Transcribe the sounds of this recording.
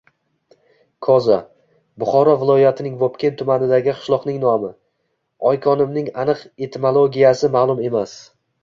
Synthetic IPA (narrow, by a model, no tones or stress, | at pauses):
kʰɒza | bʊχɒɾɒvɪlˠɒjat̪ʰɪnɪŋvɒpkʲʰent̪ʰʊmanɪd̪aɡʲɪqʰɨ̥ʃlˠɒqn̪ɪŋnɒmɪ | ɒjkʰɒnɪmnɪŋanɨqe̞t̪ʰmolˠoɡʲijasɪmaːlˠʊme̞mas